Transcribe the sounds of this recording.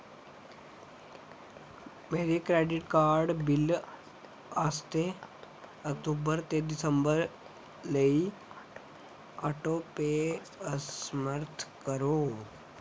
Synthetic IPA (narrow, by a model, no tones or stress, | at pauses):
meɾekɾeɖiʈkaɾɖbil | əst̪e | ək̚ʈ̪ubəɾt̪ed̪isəmbəɾ | ləi | aʈope | əsməɾt̪ʰkəɾo